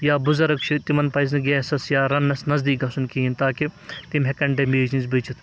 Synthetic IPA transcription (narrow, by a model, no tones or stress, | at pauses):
jaːbuzɐɾɐkt͡ʃʰit̪imɐnpɐjznɐɡɛːsɐsjaːɾɐnːɐsnɐzd̪iːkɐsunkiːint̪aːkit̪imɦekɐɳɖɐmeːd͡ʒinzbɨt͡ʃʰit̪ʰ